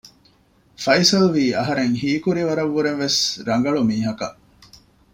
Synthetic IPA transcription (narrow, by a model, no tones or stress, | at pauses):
fɐjsɐlʋiːɐɦɐɾeŋhiːkuɾiʋɐɾɐʋːuɾenʋesɾɐŋ̆ɡɐɭumiːɦɐkɐ̰ʔ